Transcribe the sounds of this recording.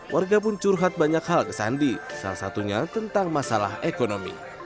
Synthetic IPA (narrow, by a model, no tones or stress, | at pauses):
wʔarɡapʊnt͡ʃuɾuɦat̪̚baɲakhalkəsa̰ndisa̰lasat̪uɲat̪ənt̪aŋmasala̰hekonomḭ